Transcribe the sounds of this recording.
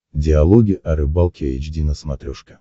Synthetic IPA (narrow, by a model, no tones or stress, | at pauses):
dʲɪalˠoɡʲɪʔaɾɨbalˠkʲeɪt͡ɕdʲinəsmɐt̪ɾʲoʂkʲə̥